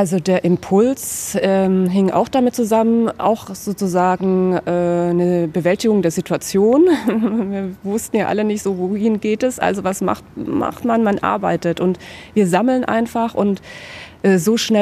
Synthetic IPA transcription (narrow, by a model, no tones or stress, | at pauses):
ʔalzodeːɐʔɪmpʰʊlsʔɛːmɦɪŋʔa̰ʊxd̥amɪt̚t͡suzamənʔa̰ʊxz̥oːt͡suzaːɡŋ̩ʔɛːnəbəvɛltɪɡʊŋdeːɐzitʰuat͡sjoːnviːɐvʊstn̩jaːʔa̰lənɪçtz̥oːvohɪnɡeːtɛsʔa̰lzovasma̰χtma̰χtmanmanʔa̰ɐbaɪtətʊntviːɐzaml̩nʔa̰ɪnfaχʊntʔɛːzoːʃnɛ